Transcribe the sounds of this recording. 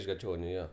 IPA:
ɪʃ ɡɐˈt͡ʃʲoːnʲʊ ˈjoː

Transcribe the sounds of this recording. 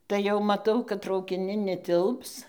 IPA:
tɐɪ jɛʊ mɐˈtɐʊ kɐt trɐʊkʲɪˈnʲɪn nʲɛˈtʲɪlˠps

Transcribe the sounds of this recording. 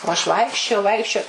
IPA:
oː ɐʃ ˈʋɐɪkʃʲt͡ʃʲoːjɛʊ ˈʋɐɪkʃʲt͡ʃʲoːj

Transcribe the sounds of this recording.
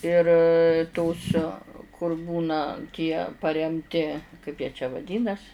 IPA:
ɪr toːs kʊr ˈbuːnɐ tʲiɛ pɐrʲɛmʲˈtʲɪ kɐɪp jiɛ t͡ʃʲɛ ʋɐˈdʲiːnɐs

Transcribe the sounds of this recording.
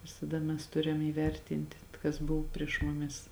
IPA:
ʋʲɪsɐˈdɐ mʲɛs ˈtʊrʲɛm iːˈʋʲɛrʲtʲɪnʲtʲɪ kɐs ˈbʊw pʲrʲiɛʃ mʊˈmʲɪs

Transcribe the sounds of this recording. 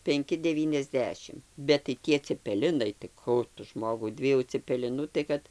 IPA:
pʲɛŋʲˈkʲɪ dʲɛˌʋʲiːnʲɛzʲˈdʲæːʃʲɪm bʲɛt tɐɪ ˈtʲiɛ t͡sʲɛpʲɛˈlʲɪnɐɪ tɐɪ ˈkuː tʊ ˈʒmoːɡɐʊ ˈdʲʋʲiɛjuː t͡sʲɛpʲɛˈlʲɪnuː tɐɪ ˈkɐt

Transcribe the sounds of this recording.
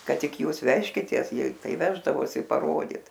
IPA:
ˈkɐt ˈtʲɪk ˈjuːs ˈʋʲæːʃʲkʲɪtʲeːs ˈjiɛ ˈtɐɪ ˈʋʲæːʒdɐʋoːsʲɪ pɐˈroːdʲiːt

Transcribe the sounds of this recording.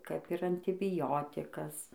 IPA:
kɐp ɪr ɐnʲtʲɪbʲɪˈjoːtʲɪkɐs

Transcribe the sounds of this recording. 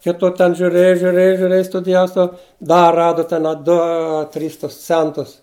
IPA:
ˈkʲɪtʊ tʲɛn ʒʲʊˈrʲeːjʊ ʒʲʊˈrʲeːjʊ ʒʲʊˈrʲeːjʊ stʊdʲɪˈjɛʊ stɐʊ ˈdɐ ˈrɑːdʊ ˈtʲɛn ɐ ˈdʊ ˈɐ ˈtʲrʲiːs tʊs ˈt͡sʲɛntʊs

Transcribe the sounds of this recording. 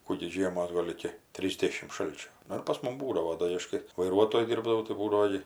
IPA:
ˈkuː ɡʲɪ ˈʒʲiɛmoːs ˈɡoːlˠ ɪkʲɪ ˈtʲrʲiːzʲdʲɛʃʲɪm ˈʃɐlʲt͡ʃʲoː ˈnʊ ɪr pɐs ˈmʊm ˈbuːdɐʋoː ˈdoː ɪ ˈɐʃ kɐɪ ʋɐɪˈruɔtoːjʊ ˈdʲɪrbdɐʋɐʊ tɐɪ ˈbuːdɐʋoː ɡʲɪ

